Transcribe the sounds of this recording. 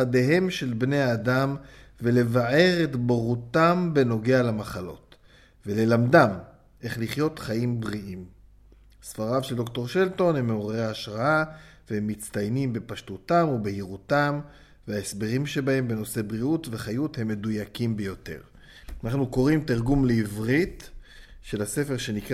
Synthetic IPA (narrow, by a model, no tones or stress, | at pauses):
adeɦe̞mʃe̞lbne̞jaːdamvele̞vaʕe̞ʁetboʁutambe̞no̞ɡe̞alamaχalo̞̰t | ve̞le̞lamdam | ʔe̞χliχjo̞tχaimbʁiʔim | sfaʁavʃeldokt̪o̞ʁʃelto̞nhemːeoʁeaaʃʁaavehemːit͡stajnimbe̞paʃtutamubehiʁutam | veaesbe̞ʁimʃe̞bahe̞mbe̞no̞se̞bʁiutve̞χajuthe̞mːe̞dujakimbejo̞te̞̰ʁ | anaχnuko̞ʁimtiʁɡumleivʁit | ʃe̞lase̞fe̞ʁʃe̞nik